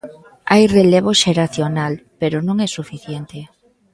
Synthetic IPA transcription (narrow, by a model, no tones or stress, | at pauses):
ajreleβoʃeɾaθjonalpeɾonõŋɛsufiθjent̪e